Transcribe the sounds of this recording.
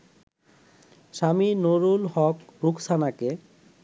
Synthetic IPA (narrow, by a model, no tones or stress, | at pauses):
ʃaminoɾulɦɔkɾukʰsʰanake